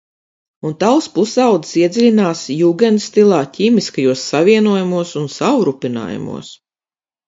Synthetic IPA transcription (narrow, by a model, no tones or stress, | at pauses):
unt̪awspusawd̪i̥siɛd̪zʲilʲinaːsjuːɡɛnst̪ilˠɑːcʲiːmiskajuɔsːaviɛnuɔjamuɔsunsawɾupʲina̰ːja̰mṵɔs